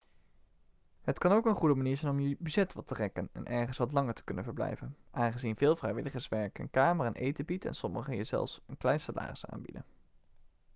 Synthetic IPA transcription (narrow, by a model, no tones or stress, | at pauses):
ɦətkɑnowkənχudəmaniːɹzɛjnɔmjəbyd͡ʒɛtʋɑtərɛkənɛ̰nʔɛɹχənsʋɑtlɑŋəɹtə̥kɵnə̰nvəɹblɛ̰jvənʔaːnχəzinvɪːlˠvrɛjʋɪləχəɹsʋɛɹkə̰nkaːmərɛnʔejtəbitɛ̰nsɔməχəjəzɛ̰lˠfsənklɛjnsala̰ːrɪsa̰ːnbḭdə̰n